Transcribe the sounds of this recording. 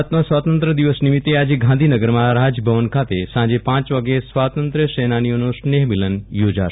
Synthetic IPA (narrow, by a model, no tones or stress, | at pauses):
t̪mosʋat̪ənt̪ɾəd̪iʋəsnimit̪ːead͡ʒeɡʱãnd̪ʱinəɡəɾmãɾad͡ʒbʱəʋənkʰat̪esãd͡ʒepãːt͡ʃʋaɡesʋat̪ənt̪ɾəʃenanijonosneɦmilənjoːd͡ʒaʃ